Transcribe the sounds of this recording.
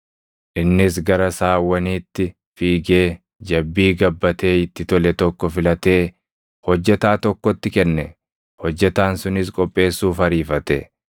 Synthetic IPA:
ʔɪnːɪsɡɐɾɐsaːwɐniːt̪ːɪ | fiːɡe̞ː | d͡ʒɐbːiːɡɐbːɐt̪e̞ːɪt̪ːɪt̪ɔlɛt̪ɔkːɔfɪlɐt̪e̞ː | hɔd͡ʒːɛt̪aːt̪ɔkːɔt̪ːɪkɛnːɛ | hɔd͡ʒːɛt̪aːnsʊnɪskʼɔpʼːe̞ːsːuːfɐɾiːfɐt̪ɛ̰

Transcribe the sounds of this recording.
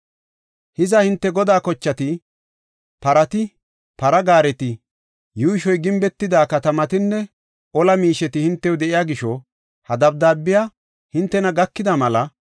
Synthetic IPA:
hɪzɐhɪnt̪ːɛɡɔd̪aːkɔt͡ʃːɐt̪ɪ | pɐɾɐt̪ɪ | pɐɾɐɡaːɾɛt̪ɪ | juːʃɔjɡɪmbɛt̪ːɪd̪aːkɐt̪ɐmɐt̪ɪnːɛ | ʔɔlɐmiːʃɛt̪ɪhɪnt̪ːɛʊd̪ɛʔɪjaːɡɪʃɔ | hɐd̪ɐb̚d̪aːbːɪjaː | hɪnt̪ːɛnɐɡɐkːɪd̪ɐmɐlɐ

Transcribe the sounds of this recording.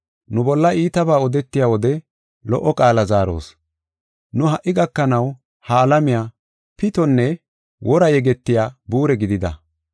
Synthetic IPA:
nʊbɔlːɐiːt̪ɐbaːɔd̪ɛt̪ːɪjaːwɔd̪ɛ | lɔʔːɔkʼaːlɐzaːɾo̰ːs | nʊɦɐʔːɪɡɐkːɐnɐw | hɐːlɐmɪjaː | pɪt̪ɔnːɛ | wʔɔɾɐjɛɡɛt̪ːɪjaːbuːɾɛɡɪd̪ɪd̪ɐ̰

